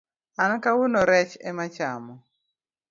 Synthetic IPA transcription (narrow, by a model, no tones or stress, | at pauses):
ankawunɔɾɛt͡ʃɛ̰mat͡ʃa̰mɔ